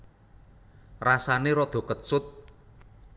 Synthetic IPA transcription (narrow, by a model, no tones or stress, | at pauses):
rasaneɾɔd̪̥ɔ̤kət̪̚sʊt̪̚